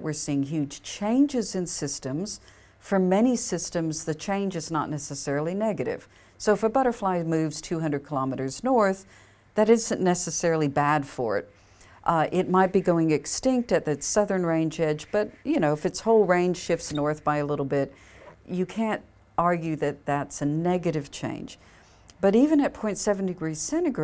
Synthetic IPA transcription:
ʔwɨɹsiɪ̃ŋɦjʉd̥ʒ̥t͡ʃʰẽɪ̃nd͡ʒɨzɨ̃nsɪstɨ̃mz̥ | fə˞mɛnisɪstɨ̃mzðɨt͡ʃʰẽɪ̃nd͡ʒɨznə̰tⁿnɛsɨsɛɹl̩ˠinɛɡɨɾɪ̰v̥ | soʊəfəbʌɾə˞flaɪmʉvz̥tʰʉɦʌ̃ndəɨd̚kʰəlɑmɨɾə˞znɔɹθ | ðɨɾɪzɨ̃nːɛsɨsɛɹl̩ˠibæd̥fə̰˞ɪ̰t̚ | ʔʔɪt̚maɪt̚b̥iɡoʊɪ̃ŋɨkstɪ̃ŋk̚tɨt̪̚ðɨsʌðə̃˞nɹẽɪ̃nd͡ʒɛd͡ʒb̥ʌtjɨnoʊɨfɨtshoʊlˠɹẽɪ̃nʒ̥ʃɪftsnɔɹθb̥aɪɨlɪɾl̩ˠbɪt̚ | ɨkʰæ̃nt | ɑɹɡjʉðɨt̪̚ðætsɨnɛɡɨɾɨv̥t͡ʃʰḛ̃ɪ̃nd͡ʒ̥ | b̥ʌɾivɨ̃nɨt̚pʰɔ̃ɪ̃ntsɛvn̩dɨɡɹiz̥sɛ̃ɾ̃ɨɡ

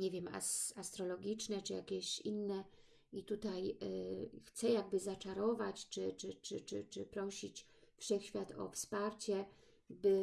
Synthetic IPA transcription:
ɲevʲjɛma̰sast̪ɾɔlɔɡʲit͡ʂnɛt͡ʂɘja̰kʲɛɕḭnːɛ | it̪ut̪aj | xt̪sɛjaɡ̚bɘzat͡ʂaɾɔvat͡ɕt͡ʂɘt͡ʂɘt͡ʂɘt͡ʂɘt͡ʂɘpɾɔɕit͡ɕ | fʂɛxɕfʲjat̪ʰɔ̰fspaɾt͡ɕɛ | bɘ

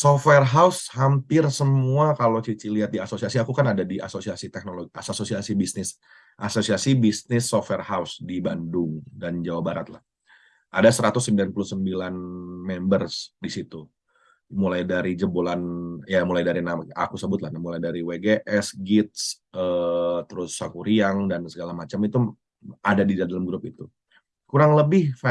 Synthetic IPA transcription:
sofwɛrɦaushampɪrsəmuakalot͡ʃit͡ʃiliat̪̚diasosiasiakukanadadiʔa̰sosiasit̪ɛk̚noloɡiasososiasibisnɪs | ʔasosiasibisnɪsːofwɛrhausdibandʊŋdand͡ʒawabaɾat̪̚la̰h | ʔadasəɾat̪ʊsːəmbilanpulʊhsəmbilanmɛmbərsdisit̪u | mulajdaɾid͡ʒəbolanjamulajdaɾinamʔa̰kusəbʊt̪lahnamulajdaɾiweɡeʔɛsɡɪt̪̚s | ət̪əɾʊsːakuɾiaŋdansəɡalamat͡ʃamit̪u | adadidadalamɡɾʊpit̪u | kuɾaŋləbɪhfa

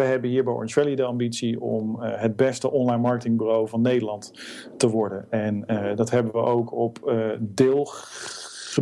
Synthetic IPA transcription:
əɦɛbənɦiːɹbɛjɔ̰ntɹɛlidəɑmbitsiɔ̰mɦəd̚bɛstəʔɔnlajnmɑɹkətɪŋbyrowvɑnːejdəlɑnt | təʋɔɹdənɛndɑtɦɛbəʋəʔowkʰɔpdɪːlˠ | χə

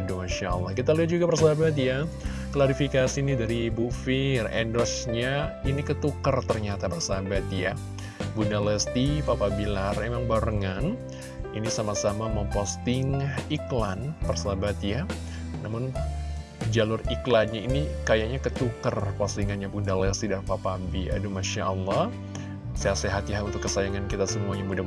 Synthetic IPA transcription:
domaʃaəlːahkit̪aliat̪̚d͡ʒuɡapərsabat̪̬ja | klaɾifikasiːnidaɾibufɪrɛ̰ndɔsɲainikət̪ukərt̪ərɲat̪apərsabat̪ja | bundaləst̪ipapabilarmemaŋbaɾəŋan | inisamasamaməmpɔst̪ɪŋiklanpərsabat̪ja | namʊn | d͡ʒalʊriklanɲainikajaɲakət̪ukərpɔst̪iŋanjɲabundalɛst̪idaɾpapabia̰dumaʃaʔəlːɑ | sajaseɦat̪jaɦaunt̪ʊkːəsajaŋankit̪asəmuaɲamuda

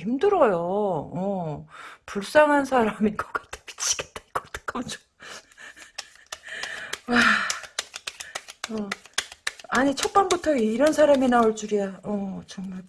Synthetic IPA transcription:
imdɯɾʌjoʌ | puɭs͈aŋɦansʰaɾaminɡʌk͈ḁtʰe̥pi̥t͡ɕʰi̥ɡ̥et̚t͈ḁiɡ̥ʌt͈ɯ̥k͈ʰɯmt͡ɕo | wa | ʌ | aɲit͡ɕʰʌk̚p͈anbutʰʌiɾʌnsʰaɾaminaoɭt͡ɕ͈uɾijaʌt͡ɕʌŋmaɭ

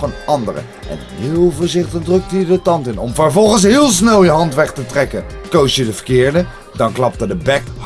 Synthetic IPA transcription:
ənɑndərə̰ | ʔɛ̰nɦeɪːlˠvoːɹzɪχtəχdrɵk̚təidətɑntɪnɔmvəɹvɔlˠχəns̬ɦɪːlˠs̬nɛlˠjəɦɑntʋɛχtətrɛkəkowsjədəvəɹkɪːɹdə | dɑnklɑp̚tədəbɛk

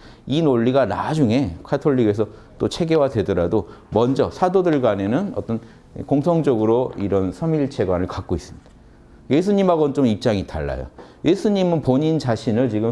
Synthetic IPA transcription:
inoʎːiɡana̰d͡ʑuŋe̞kʰatʰoʎːiɡe̞sʰʌ | t͈ot͡ɕʰe̞ɡe̞wadwe̞dʌɾadomʌnd͡ʑʌsʰadodɯɭɡwane̞nɯnʌt͈ʌn | koŋsʰʌŋd͡ʑʌɡɯɾoiɾʌnsʰʌmiɭt͡ɕʰe̞ɡwanɯɭkak̚k͈ois͈ɯmɲid̥aa | je̞s̬ʰuɲimɦaɡʌnt͡ɕomip̚t͡ɕ͈aŋita̰ɭːa̰jo̰jʔe̞sʰuɲimɯnpoɲint͡ɕaɕʰinɯɭt͡ɕiɡɯ

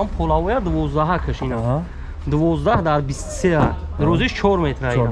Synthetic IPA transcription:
ampʰɔlavɔjad̪əvɔzd̪aɦakʰəʃinə | d̪əvɔzd̪ahd̪aɾbist̪sead̪ɾɔziʃt͡ʃʰɔɾmet̪ʰɾaji

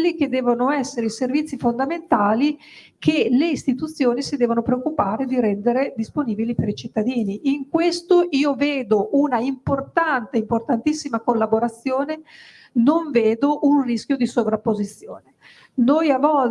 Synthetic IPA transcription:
lːik̟ed̪ːɛːvonoɛsːeɾeiservit̪sːifond̪ament̪aːli | kʰeleist̪it̪ut̪sːjoːnisid̪ɛːvonopɾeokːupaːɾed̪iɾɛnd̪eɾed̪isponiːbilipeɾit͡ʃit̪ːad̪iːniʔiŋkwest̪oʔiːoveːd̪oʔunaimport̪ant̪eimport̪ant̪isːimakolːaboɾat̪sːjoːne | noɱveːd̪oʔunrisk̟jod̪isovɾapːozit̪sːjoːne | nojavɔl

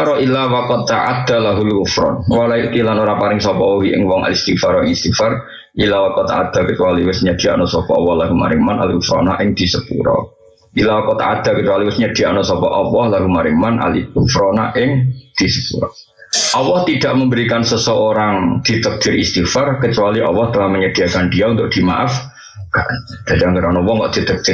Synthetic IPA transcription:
ɾɔʔilawakɔd̪̚t̪aʔa̰d̪̥alaɦulkʊfɾɔ̰nwalaiʔkilanoɾaŋpaɾɪŋsɔpɔoɦiʔɪ̰ŋwɔŋa̰list̪ifarɔɪŋist̪ifar | ʔilawakɔt̪a̰ʔad̪̥a̤kət͡ʃuwaliwɪsɲad̪̥i̤a̰nɔsɔpɔɔwɔhlaɦuma̰ɾɪŋmana̰likufɾɔ̰na̰ʔɪŋd̪̥i̤səpṵɾɔ̰ | ʔilawakot̪a̰ʔad̪̥a̤kət͡ʃualiwɪsɲəd̥i̤aʔnɔsɔpɔʔɔwɔhlaɡ̥umaɾɪŋmanʔa̰lḭufɾɔnaʔɪŋd̪̥isəpuɾɔ̰ | ʔɔwɔht̪id̪̥aʔməmbəɾikansəsəoɾaŋd̪̥i̤t̪ək̚d̪̥ɪɾʔist̪ifarkət͡ʃualiʔɔwɔht̪əlahməɲəd̥iakand̥iaunt̪ʊk̚d̪̥ima̰ʔaf | kaʔd̪̥ad͡ʒaŋɡəɾanuwɔŋɡɔ̰ʔd̪̥it̪ək̚d̪̥ɪ

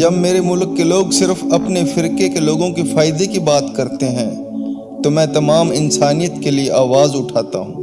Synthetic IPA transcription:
d͡ʒɐbmeːɾemʊlkːeloːɡsɪɾfɐpnefɪɾkekeloːɡõkifaːjd̪ekibaːt̪kɐɾt̪eɦɛ̃ː | t̪omɛ̃ːt̪ɐmaːmɪnsaːnijət̪kelieʔaːʋaːzʊʈʰaːt̪a̰ɦũː

